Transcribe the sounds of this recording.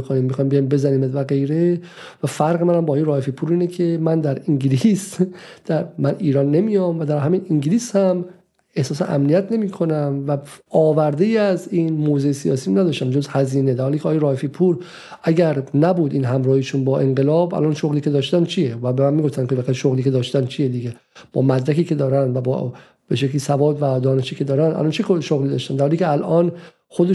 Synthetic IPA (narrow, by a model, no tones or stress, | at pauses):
kʰoniːmmːixɒːjmbejɒjmbezæniːmvæɡejɾevæfæɾɣemænæmbːjeɾɒːhefipʰuːɾiːnekʰe̞mænd̪æɾiŋɟilisd̪̥æɾmæniːɾɒːnːe̞mijɒmvæd̪æɾɦæminiŋɟliːshæm | e̞hsɒːs̬ḛʔæ̰mnijæt̪ʰne̞miːkʰo̞næmvæɒːvæɾd̪ejiæziːnmoːzejsijɒ̰ːsiːmnæd̪ɒːʃt̪æmd͡ʒozhæziːned̪æɾhɒːliːcʰeɒːjeɾɒːefipʰuɾ | ʔæɡæɾnæbuːd̪iːnɦæmɾɒːhiʃunbɒːʔe̞ŋɢelɒːbʔæ̰lʔɒnʃoɣliːked̪ɒːʃt̪ænt͡ʃʰijevæbemænmiːɡo̞ft̪ænkʰevæʁæʃoɣliːkʰe̞d̪ɒːʃt̪ænt͡ʃʰijed̪iːɡe | b̥ɒːmæd̪ɾækiːkʰe̞d̪ɒːɾænd̪væbɒ̰ | b̥eʃecliːsævɒːd̪væd̪ɒːneʃiːkʰʲe̞d̪ɒːɾænd̪ʔæ̰lɒnt͡ʃʰekʰoʃoɣliːd̪ɒːʃt̪ænd̪æɾhɒːlikcʰeælʔɒːn | xod̪e